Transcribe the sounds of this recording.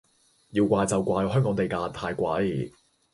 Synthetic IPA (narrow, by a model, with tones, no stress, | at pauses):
jiː˧wkʷaː˧jt͡sɐ˨wkʷaː˧jɦœː˥ŋkɔː˨˥ŋt̪e˨jkaː˧t̪ʰaː˧jkʷɐ̰˨˧˥j